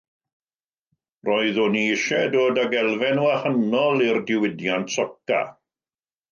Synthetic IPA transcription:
rɔɨðʊniɪʃɛdoːdaɡɛlˠvɛnwahənɔlˠirdɪwɪdjantsɔka̰

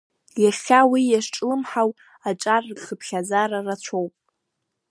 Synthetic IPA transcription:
jaχʲawijaʂʈ͡ʂʼlɨmħaw | aʈ͡ʂʼarχəpʰχʲazaɾarat͡ʃʷʰowpʼ

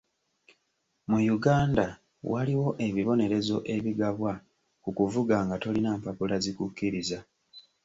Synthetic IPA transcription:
mujuɡaːnda | wʔaliwo̞ʔe̞βiβo̞ne̞ɾe̞zo̞ʔe̞βiɡaβwa | kukuvuɡaːŋɡato̞linaːmpapulazikukːiɾiza

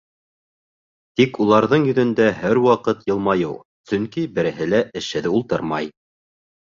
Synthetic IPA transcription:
t̪ikulˠɑɾðɤɴjɵ̆ðɵ̆nd̪æɦæɾwɑqɤt̪jɤ̆lˠmɑjɤw | sɵŋkibɘ̆ɾɘ̆ɦɘ̆læʔɘ̆ʃɘ̆ðulˠt̪ɤɾmɑj

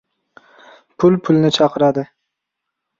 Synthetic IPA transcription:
pʰʊlpʰʊlnɪt͡ʃʰɑqʰɨɾad̪ɪ

